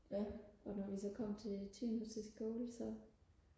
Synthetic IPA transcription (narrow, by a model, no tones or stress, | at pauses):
ɒ̽nɒʋisɒ̽kʰɒ̽m̰t͡sʰe̝lt͡sʰḭnu̥sesɡ̥oːlsɒ̽